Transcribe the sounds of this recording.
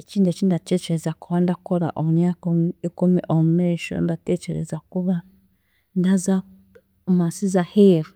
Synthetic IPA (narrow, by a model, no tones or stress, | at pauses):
t͡ʃindɛt͡ʃindatɛt͡ʃɛɾɛzakuβandakɔɾa̰ʔoɲakuikumiʔɔmɛʃɔ̰ndatɛt͡ʃɛɾɛ̰zakuβa | ndaza | masizahɛf